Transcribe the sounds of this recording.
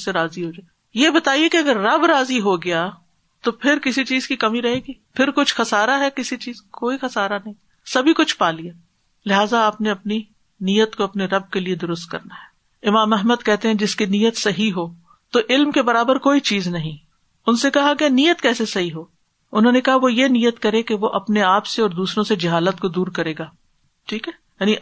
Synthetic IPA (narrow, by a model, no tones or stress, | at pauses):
seɾaːziɦoːd͡ʒaːe | jebɐt̪aːiekiɐɡəɾːɐbɾaːziɦoɡɐjaː | t̪opʰɪɾkɪsit͡ʃiːzkikɐmiɾɐɦeːɡiːpʰɪɾkʊt͡ʃʰxɐsaːɾaɦɛkɪsit͡ʃiːzkoːixɐsaːɾanɐɦĩ | sɐbʱikʊt͡ʃʰpaːlijaː | lɪɦaːzaaːpneɐpni | nijət̪koɐpneɾɐb̚kelied̪ʊɾʊst̪̚kɐ̰ɾnaɦɛː | ɪmaːmɛɦməd̪̚kɛɦt̪eɦɛ̃d͡ʒɪskinijət̪sɐɦiɦoː | t̪oʔɪlmkebɐɾaːbəɾkoːit͡ʃiːznɐɦĩ | ʊnsekɐɦakenijət̪kɛːsesɐɦiɦoː | ʊnɦõːnekɐɦaʋojenijət̪kɐɾẽkeʋoʔɐpneaːpseɔːɾd̪uːsɾõsed͡ʒɐɦaːlət̪̚kod̪uːɾkɐɾeːɡaː | ʈʰiːkɦɛːjaːni